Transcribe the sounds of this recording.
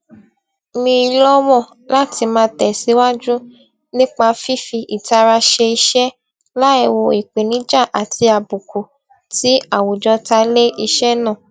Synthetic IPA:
mĩ˧i˧lɔ˦wɔ̃˦˨ | la˦ti˧mãː˧˦tɛ˨si˨˦wa˦d͡ʒũ˦ | nĩ˦k͡pa˧fi˦fi˧ʔi˨ta˧ɾa˧ʃe˧i˧ʃɛ˦ | la˦ɛ˧wo˧i˨k͡pe˨nĩ˨˦d͡ʒa˦˨ʔa˨ti˧a˧bu˨ku˨ | ti˨˦a˦˨wo˨d͡ʒɔ˧˦ta˧˦le˦i˧ʃɛ˦nã˦˨

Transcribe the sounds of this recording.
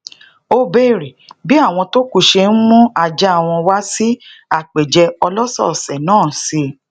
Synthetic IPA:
o˧be˦˨ɾi˨bi˦a˦˨w̃ɔ̃˧to˦ku˦˧˨ʃe˧n̩˦mũ˦a˧d͡ʒɛ˦a˦˨w̃ɔ̃˧wa˦si˦a˦˨k͡pe˨d͡ʒɛ˧ɔ˧lɔ˦sɔ̰˦˨sɛ˨nãː˦˨si˧

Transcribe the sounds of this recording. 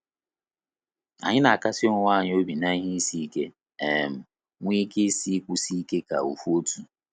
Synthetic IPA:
a̰˨ɲɪ˦na˨a˨ka˦sɪ˦o˦ŋʷ˦a˦˨ɲɪ˦o˦bi˨na˦i˦ɦi˦i˦si˦i˦ke˦ | e˨m̩˨ | ŋʷi˦ke˦si˦kʷu˦si˦ke˦ka̰˨ṵ˨fu˦o˦tu˦

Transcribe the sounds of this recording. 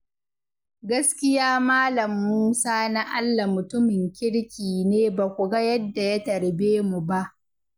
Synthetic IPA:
ɡɐ˦skʲɪ˦jaː˦maː˦lɐ˨mːuː˦saː˦na˦ʔa˦lːa˨mʊ˨tʊ˦mɪ˨ŋkʲɪ˦ɽkʲiː˨neː˦ba˨kʷu˨ɡɐ˦jɐ˦dːa˨ja˦tɐ˨ɽbeː˦mu˨ba˦ʔ

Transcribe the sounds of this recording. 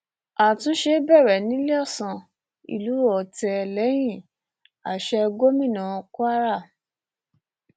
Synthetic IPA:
a˨tũ˧˦ʃe˧˦bɛ˦˨ɾɛ˨nĩ˨˦le˦ɔ˦˨sã˧˨ | ḭ˨lu˨˦ɔ˨tɛ˧lɛ˨˦j̃ĩ˦˨ | a˨ʃɛ˧ɡo˦mĩ˦˨nã˨˧ku˦a˦ɾa˦˨

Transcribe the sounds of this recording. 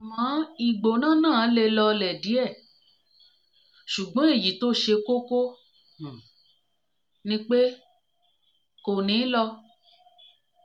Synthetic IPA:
mã˨˦i˨ɡ͡bo˨nã˦˨nãː˦˨˦le˧lɔ˧lɛ˨di˨˦ɛ˦˨ | ʃu˨ɡ͡bɔ̃˨˦e˦˨ji˨to˦ʃe˧ko˦ko˦˨ | nĩ˦k͡pe˦ | ko˨nĩː˨˦lɔ˧

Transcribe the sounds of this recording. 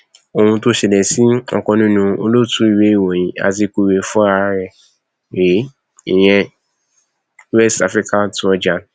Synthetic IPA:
o˧hũ˧to˦ʃɛ˨lɛ˨si˦ɔ̰˧kɔ̃˧nĩ˦nũ˧o˧lo˦tũ˦i˦˧we˦i˦˨wɔ˨j̃ĩ˨˦a̰˧t̬i˧ku˧we˧fɔ̃˦a˧ɾɛ˧˨ | e˨˦ | i˨j̃ɛ̃˧ | wɛ˦sta˧˦fɾi˦ka˦tu˧˦ɔ˧d͡ʒa˨˦n˨

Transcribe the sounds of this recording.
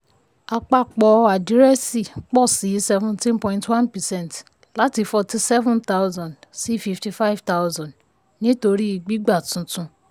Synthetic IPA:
a˧k͡pa˧k͡pɔ˧a˨di˨˦ɾɛ˦si˦˨k͡pɔ˦˨si˨˦sɛ˧vũ˧ntĩ˦npɔ̃˧ĩ˧ntwã˦npɛ˨sɛ̃˦nt | la˦ti˧fɔ˧ti˧sɛ˦vũ˦nta˦wzɔ̃˨ndsi˦fi˧fti˧fa˦i˦vta˦wzɔ̃˨d | nĩ˦to˧ɾi˦i˧ɡ͡bi˦ɡ͡ba˦˨tũ˧tũ˧

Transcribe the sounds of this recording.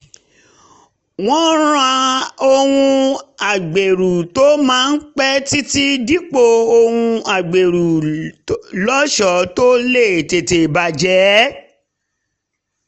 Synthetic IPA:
w̃ɔ̃˦ɾ̃ã˧o˧hũ˧a˨ɡ͡be˨ɾu˨to˦mãː˦˧n̩˦k͡pɛ˦ti˦ti˦di˦k͡po˦˨o˧hũ˧a˨ɡ͡be˨ɾu˨ | lɔ˦ʃɔ˨˦to˦le˦˨te˨te˨ba˨d͡ʒɛ˨˦

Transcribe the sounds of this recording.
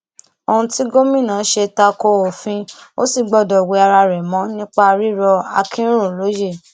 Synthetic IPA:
o˧hũ˧ti˦ɡo˦mĩ˦˨nã˨˦ʃe˧ta˧ko˧o˨fĩ˧o̰˦si˦˨ɡ͡bɔ˨dɔ˨we˨˧˦a˧ɾa˧ɾɛ˨mɔ̃˨˦nĩ˦k͡pa˦˧ɾi˦ɾɔ˧a̰˧kʰĩ˦n˦ɾõ˦˨lo˨˦je˦˨

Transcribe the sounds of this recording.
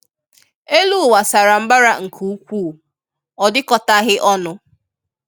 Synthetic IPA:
e˦lu˦˨wa˨sa˨ɾa˨m̩˦ba˦ɾa˦ŋ̩˨kʰu˨u˦kʷuː˦˨ | ɔ˨dɪ˦kɔ˦ta˦ɣɪ˦ʔɔ˦nʊ˦

